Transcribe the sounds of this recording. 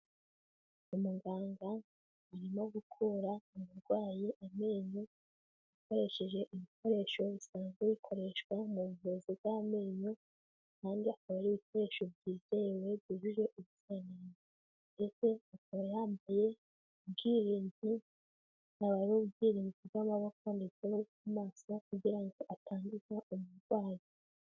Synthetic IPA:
umuŋɡaːŋɡa | uɾimoɡukʰuɾanuβuɾɡwaːjiʔame̞ːɲu | iko̞ɾe̞ʃe̞ʒe̞ʔiβikʰo̞ɾe̞ʃo̞βisaːnzɡeβikʰo̞ɾe̞ʃkwamuβuvuzibame̞ːɲu | kaːndiakaβaɾiβiko̞ɾe̞ʃo̞bɟiːze̞we̞bjiʒuʒe̞ʔuβuzaneːni | nde̞t͡se̞akaβajaːmbaje̞ | ubɡiːɾiːni | aβaɾimobɡiːɾiːnziɡɡamaβakoːndet͡senokumaːso̞kuɟiɾaŋɡo̞ʔatʰaːndizaumuɾɡwaːjo

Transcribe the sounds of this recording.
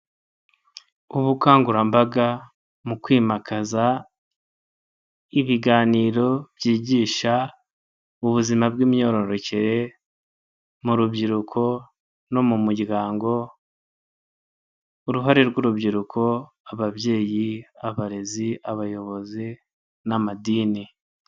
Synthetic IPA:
uβukaːŋɡuɾambaɡa | mukwiːmakaza | iβiɡaːniːɾo̞bjiːɟiːʃa | uβuzimabɡiːmɲo̞ɾo̞ɾo̞ce̞ɾe̞ | muɾubɟiɾukʰo̞ | no̞mumuɟɡaːŋɡo̞ | uɾuɦaɾeɾɡuɾubɟiɾukʰo̞ | aβaβje̞ːjiaβaɾe̞ziaβajo̞βo̞zi | namadiːni

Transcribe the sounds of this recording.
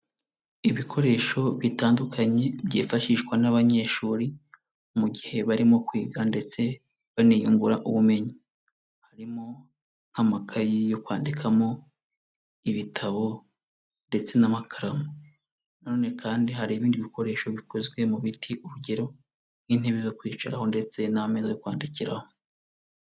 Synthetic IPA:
iβikʰo̞ɾe̞ːʃo̞βitaːndukʰaɲe̞βjiːfaʃiʃkwanaβaɲe̞ːʃuːɾi | muɡihe̞βaɾimo̞kwiːɡande̞t͡se̞ | βaniːjuŋɡuɾaʔuβume̞ɲi | haɾimo̞ | n̥hamakʰajijo̞kwaːndikʰamo̞ | iβitʰaβo̞ | nde̞t͡se̞namakʰaɾamo | nano̞ːne̞kʰaːndiɦaɾiːβiːndiβiko̞ɾe̞ːʃo̞βikʰo̞zɡwe̞muβitʰiʔuɾuɟe̞ɾo̞̥ | in̥heβizo̞kwiːt͡ʃaɾaho̞nde̞t͡se̞naame̞zajokwaːndiciɾaho

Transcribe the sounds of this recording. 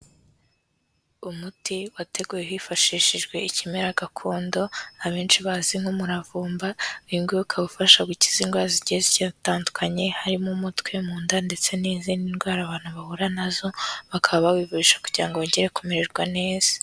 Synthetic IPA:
umutiwate̞ɡuːjewifaʃiʃiʒɡwe̞icimeɾaɡakʰo̞ːndo̞aβeːnʃiβaziŋ̥homuɾavuːmbaiŋɡeukʰaβufaʃaɡuci̥zinɡwaːɾziɟeziɟataːndukʰaɲe̞haɾimumutkwemuːndande̞t͡se̞niːzininɡwaːɾaβaːn̥huβahuɾanazo̞βakʰaβaβawiːvuɾiʃḁku̥ɟiɾaŋɡooɲɟeɾe̞kumeɾeɾɡwane̞ːz̥a

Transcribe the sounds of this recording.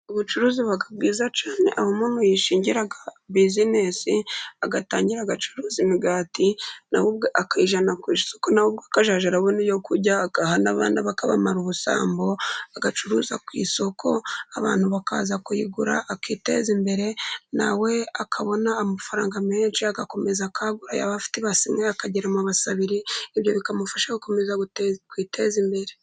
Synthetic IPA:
oβut͡ʃuɾuːziβakab̚ɡiːzat͡ʃaːnḛʔahomomojiʃiːɲɟiɾaɡabizinesiaɡataːɲɟiɾaɡat͡ʃu̥ɾuːzimiɡaːtina̰wub̚ɡeʔakaiʒanakwiːsokonawub̚ɡakaʒaːʒaɾawenijo̞kuɾɟaːkahana̰βa̰ːnaβakaβa̰maɾuβusa̰ːmbo̞aɡat͡ʃuɾuːza̰kwḭːso̞kʰo̞aβa̰ːn̥huβakʰa̰ːzakujiɡuɾa̰ʔːkiːte̞̰ːzimbe̞ɾe̞na̰we̞akʰaβo̞naːmafaɾaːŋɡameːnʃiaɡako̞me̞zakʰaɡuɾa̰ja̰βafi̥tiβasimŋeakaɟiɾamuβasaβiɾiːβjo̞βikamufaʃaɡuko̞mezakwiːtʰeːzimbe̞ɾe̞

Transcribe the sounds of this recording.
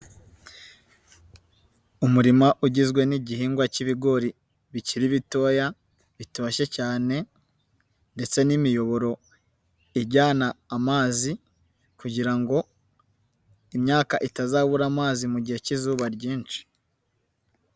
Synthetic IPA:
umuɾimaʔuɟizɡwe̞niɟiɦiːŋɡwaciβiɡo̞ɾi | βiciɾiβito̞ːja | βitoʃe̞caːne̞ | nde̞t͡se̞nimijo̞βo̞ɾo̞ | iɟaːnaːmaːzi | kuɟiɾaŋɡo̞ | imɲaːkaʔitazaːβuɾaːmaːzimuɟihe̞cizuːβaɾɟiːnt͡ʃi̥

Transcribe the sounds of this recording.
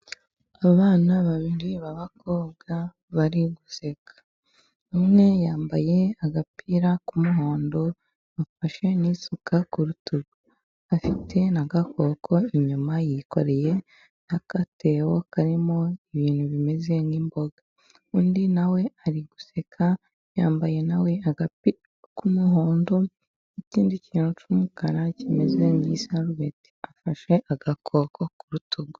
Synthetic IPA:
aβaːnaβaβiɾiβaβakoːβɡa | βaɾiɡuse̞kḁ | numŋe̞jaːmbaje̞aɡapiɾakumuɦo̞ːndo̞ | βafaʃe̞nisukʰakuɾutuβu | afitʰe̞naɡakʰo̞kʰo̞iɲumajiko̞̰ɾe̞je̞ | nakatʰewokaɾimo̞iβiːnhuβime̞ze̞ŋɡimbo̞ɡa | uːndinawe̞aɾiɡ̥u̥se̞kʰa | jaːmbaje̞nawe̞aɡapi | kumuɦoːndo | iciːndiciːnut͡ʃumukanacimeze̞ŋɡisaɾuweti̥afaʃe̞ʔaɡakʰo̞kʰo̞kuɾutuɡu

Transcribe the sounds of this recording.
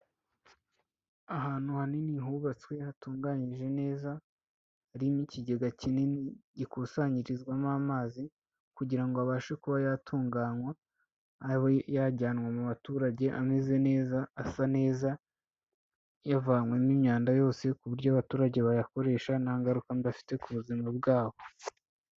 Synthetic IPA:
aɦaːn̥huhaniniɦuːβat͡swe̞hatuːŋɡaːɲiʒe̞ne̞ːzaː | ɾimiciɟe̞ɡacineniɟikusaɲiɾizɡwamaːmaːzi | kuɟiɾaŋɡoaβaːʃekuβajatʰuːŋɡaːɲwaː | ɾiho̞jaɟaːnwamuβatuːɾaɟe̞ʔa̰meze̞ne̞ːzaːsane̞ːza | javaːŋwe̞nimɲaːndajo̞ːse̞kuβuɾɟoaβatuːɾaɟeβajako̞ɾe̞ːʃanaːŋɡaɾukandiafi̥te̞kuβuzimabɡaːβo̞

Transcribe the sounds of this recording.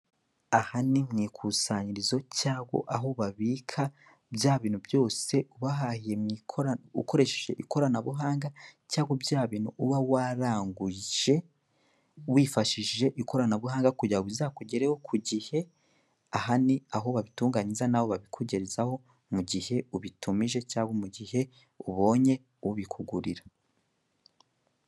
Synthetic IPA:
ahanimŋiːkʰuːsaɲiɾizo̞caːɡo̞̰ʔaɦo̞βaβiːkʰa | bjaːβiːnhubjo̞ːse̞uβaɦahije̞mŋikʰoṵko̞ɾe̞ʃeʒe̞̰ʔiko̞ɾanaβuɦaːŋɡacaːɡobjaːβiːnhuʔuβawaːɾaːŋɡuʒ̥e̞ | wiːfaʃiʒe̞ʔiko̞ɾanaβuhaːŋɡakuɟauβizaːkuɟeɾehokʰuɟihe̞ | aɦaniaɦo̞βaβituːŋɡaɲizanawo̞βaβikʰuɟeɾezaho̞ | muɟihe̞uβitumiʒe̞caːɡomuɟihe̞ | uβo̞ːɲe̞ | uβikʰuɡuɾiɾa

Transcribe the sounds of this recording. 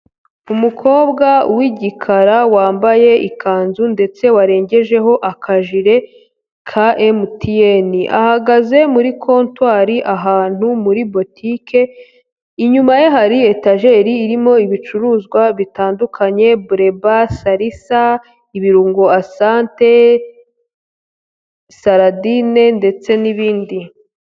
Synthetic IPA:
umukʰo̞ːbɡawiɟikʰaɾawaːmbaje̞ʔikʰaːnzunde̞t͡se̞waɾe̞ːɲɟe̞ʒe̞ɦo̞ʔakʰaʒiɾe̞ | kʰaʔemutʰieniʔa̰haɡaze̞muɾikʰo̞ːntwaːɾiʔaɦaːn̥umuɾibo̞tʰikʰe̞ | iɲumajeɦaɾie̞taʒe̞ɾiːɾimo̞iβit͡ʃuɾuːzɡwaβitaːndukʰaɲe̞buɾe̞basaɾisa | iβiɾuːŋɡo̞asaːnte̞ | saɾadine̞nde̞t͡se̞niβiːndi

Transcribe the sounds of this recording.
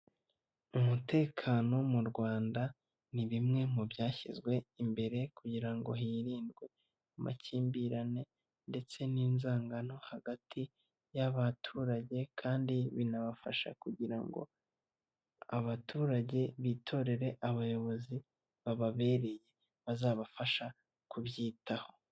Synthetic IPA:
umute̞ːkʰano̞muɾɡwaːnda | niβimŋe̞mubjaːçizɡwe̞imbe̞ɾe̞kuɟiɾaŋɡo̞ɦiːɾiːndɡwe̞ | umʔa̰ciːmbiɾane̞ | nde̞t͡se̞niːnzaːŋɡano̞haɡatʰi | jaβatʰuːɾaɟe̞kʰaːndiβinaβafaʃa̰kuɟiɾa̰ŋɡo̞̰ | a̰βatʰuːɾaɟe̞βiːtʰo̞ɾe̞ɾe̞ʔaβajo̞βo̞zi | βaβaβe̞ːɾe̞je̞ | βazaːβafaʃa | kuβjiːtaho̞̥

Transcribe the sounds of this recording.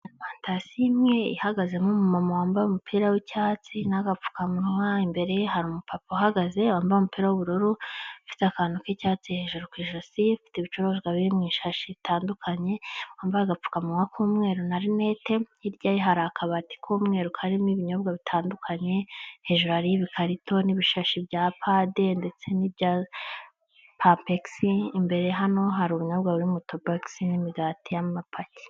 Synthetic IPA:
faːntasiimŋe̞ḭhaɡaze̞mumumamowaːmbaumupʰiːɾawicaːt͡sinaɡap͡fu̥kamwaimbe̞ɾe̞jehaɾumupapoɦaɡazeaːmbaomupiːɾawoβuɾoɾoifi̥takaːnukicaːt͡sihe̞ʒuɾokwiːʒosiifi̥tiβit͡ʃoɾozɡwaβiɾimŋiːʃaʃiβitʰaːndukʰaɲe̞waːmbaaɡap͡fu̥kamuwakʰuːmŋe̞ːɾonaɾine̞te̞iɾɟajiɦaɾakʰaβati̥kʰomŋe̞ːɾukʰaɾimiβiɲo̞bɡaβitʰaːndukʰaɲe̞he̞ʒuɾuhaɾijiβikʰaɾitʰo̞niβiʃaʃibɟapʰade̞nde̞t͡se̞nibɟaz | papeksiːmbe̞ɾeɦano̞ɦaɾuβuɲobɡaβuɾimutobaksinimiɡatijamapʰaci̥

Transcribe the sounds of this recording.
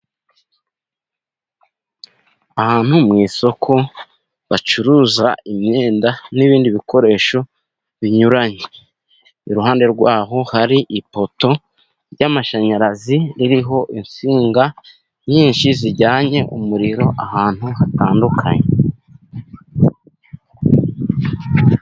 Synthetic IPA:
ahaːn̥humŋiːso̞kʰo̞ | βat͡ʃuɾuːza̰imɲeːndaniβiːndiβikʰo̞ɾe̞ːʃo̞ | βiɲuɾaɲe | iɾuɦaːnde̞ɾɡwaːɦo̞haɾiʔipo̞to̞ | ɾɟamaʃaɲaɾaziɾiɾiɦo̞ʔinsiːŋɡa | ɲiːɲʃiziɟaːɲe̞ʔumuɾiɾo̞ʔahaːn̥huhataːndukʰa̰ɲe

